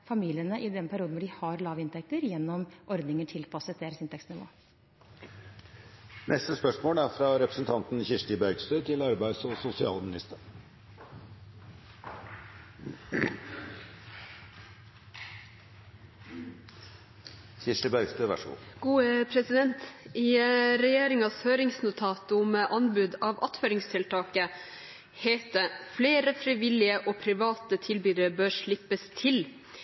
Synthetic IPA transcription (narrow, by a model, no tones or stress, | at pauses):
fɑmiːlɪənəʔɪd̪ɛnpʰæɾɪuːd̪n̩ʋɔɖɪhɑɾlɑːʋɪnt̪ʰɛk̚t̪əɾjɛnːɔmʔɔɾd̪nɪŋəʈʰɪlpʰɑɑsət̪̚d̪eːɾəsɪnt̪ʰɛksnɪʋo̰ː | nʔɛst̪əspœʂmoːlæɾfɾɑɾɛpɾəsən̩t̪ʰɑnt̪nçɪʂʈɪbœʏɡst̪øːt̪ʰɪlɑɾbæɪsɔsʊsɪɑ̰ːlmɪnɪst̪əɾ | sɪʂʈəbœʏst̪øːʋæ̰ʂṵɡ̥uːəpʰɾɛsɪd̪ɛnt̪ɪɾɛjeːɾɪŋɑshøːɾɪŋsnʊt̪ʰɑːt̪məʔɑnbʉd̪ɑːʋɑt̪føːɾɪŋst̪ʰɪlt̪ʰɑːkə | heːt̪əfleːɾəfɾiːʋɪlɪəʔoːpʰɾɪʋɑːt̪ət̪ʰɪlbyːd̪əɾəbøːʂɭɪpːəst̪ʰɪl